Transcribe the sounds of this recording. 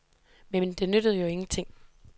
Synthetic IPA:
mend̥e̝nød̥əð̞̩ˠjo̝e̝ŋn̩t͡sʰe̝ŋ̰

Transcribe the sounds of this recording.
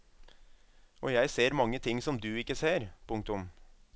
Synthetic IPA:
ʔɔjæɪseːɾmɑŋːət̪ʰɪŋsɔmd̪ʉːɪkːəseːɾpʰʊŋk̚t̪ʊm

